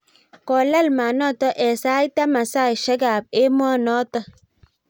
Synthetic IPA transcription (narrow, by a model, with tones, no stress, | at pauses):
kɔ˨la˦lma˨nɔ˦˨tɔ˦ʔɛ˨sa˦i˦ta˦ma˨sa˦˨ʃe˦ɡa˨b̚e˦mɔ˦˨nɔ˦tɔ˦